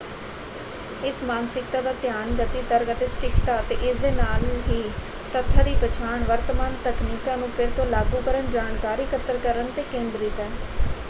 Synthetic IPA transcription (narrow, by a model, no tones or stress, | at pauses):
ɪsmaːnsɪkt̪aːd̪aːt̪ɪjaːnɡət̪iːt̪əɾət̪eːsʈɪkt̪aːət̪eːʔɪsd̪eːnaːlɦiː | t̪ət̪ʰːaːd̪iːpət͡ʃʰaːɳʋəɾt̪əmaːnt̪əkniːkãːnũːpʰɪɾt̪õːlaːɡuːkəɾənd͡ʒaːnkaːɾiːkʰət̪əɾkəɾənt̪eːkẽːnd̪ɾiːt̪əɾ